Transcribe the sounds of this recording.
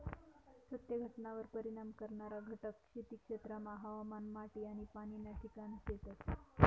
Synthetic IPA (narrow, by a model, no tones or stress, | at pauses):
sət̪jəɡʱəʈnaʋəɾpəɾiɽ̃amkəɾɳaɾaɡʱəʈəkʂet̪iːkʂet̪ɾəmaɦaʋamanmaʈiːaɽ̃ipaɽ̃inaʈʰikanset̪ət̪